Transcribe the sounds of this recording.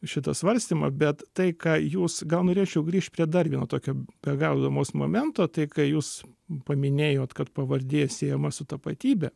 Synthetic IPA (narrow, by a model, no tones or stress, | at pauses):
ʃʲɪt̪ɐsʋɐɾʲsʲt̪ʲiːmɐbʲɛt̪t̪ɐɪkɑːjuːsɡɐlˠnoːɾʲeːt͡ʃʲɛʊɡɾʲiːʃʲt̪̚ʲpʲɾʲiɛd̪ɐrʲʋʲiɛnɐt̪oːkʲoːb̥ʲɛɡɐʊd̪ɐmoːsmo̰ːmʲɛnt̪oːt̪ɐɪkɐɪjuːs | pɐmʲɪnʲeːjoːt̪kɐt̪pɐʋɐrʲd̪ʲeːjsʲeːɛmɐsʊt̪ɐpɐt̪ʲiːbʲɛ